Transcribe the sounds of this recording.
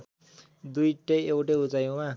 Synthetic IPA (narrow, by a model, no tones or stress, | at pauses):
d̪ujʈejewʈeut͡sajowã